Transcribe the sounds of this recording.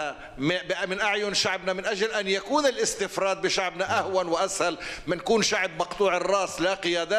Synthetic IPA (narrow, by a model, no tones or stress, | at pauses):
a | mɪbɪmɪnʔaʕjʊnʃaʕbnamɪnʔaʒlʔanjakuːnɪlʔɪst̪ɪfɾˤɑːd̪̚bɪʃaʕbnaʔahwanwɪʔashalmɪnkuːnʃaʕbmɑqt̪ˤuːʕɪrˤːɑːslaqɪjaːd̪aː